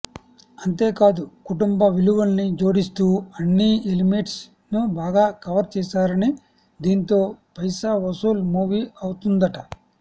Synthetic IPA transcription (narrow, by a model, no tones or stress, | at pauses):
ɐnt̪e̞ːkaːd̪ukuʈumbɐʋiluʋɐlɐnid͡ʒo̞ːɽist̪uːɐnːielimeʈs | nubaːɡaːkɐʋɐɾt͡ʃɛːsaːɾɐni | d̪iːnt̪o̞ːpɐjsaːʋɐsuːlmuːʋiɐwut̪und̪ɐʈɐ